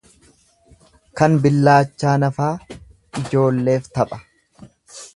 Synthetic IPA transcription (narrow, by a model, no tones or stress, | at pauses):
kɐnbɪlːaːt͡ʃːaːnɐfaː | ɪd͡ʒo̞ːlːe̞ːft̪ɐpʼɐ̥